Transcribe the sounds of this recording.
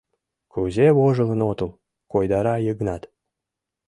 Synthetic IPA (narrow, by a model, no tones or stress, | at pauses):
kuzeβoʒə̆lˠə̆not̪əl | kojd̪ɑɾɑjəɡnɑt̪